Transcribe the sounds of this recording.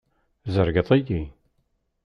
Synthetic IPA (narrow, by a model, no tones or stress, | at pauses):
zəɾɡəðˤiji